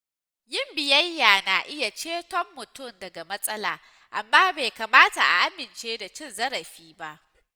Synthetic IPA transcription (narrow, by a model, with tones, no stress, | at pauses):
jɪ˦mbɪ˨jɐ˦jːaː˨naː˨ʔɪ˦ja˨t͡ʃeː˦tɔ˦mːʊ˨tʊ˦˨mdɐ˨ɡa˨mɐ˦sʼɐ˦la̰ː˨ | ʔa˨mːaː˦beː˨kɐ˨maː˦ta˨ʔa̰˨ʔa˦mɪ˨nt͡ʃeː˦da˨t͡ʃɪ˦nzɐ˦ɾɐ˨ɸiː˦ba˦ʔ